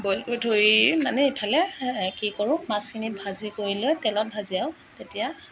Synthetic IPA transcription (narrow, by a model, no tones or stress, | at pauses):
bɔlkodʰʱoɹimanɛipʰalɛkikɔɹʊ̃kmaskʰinibʱazikoɹilojtɛlɔt̚bʱaziaʊ | tetija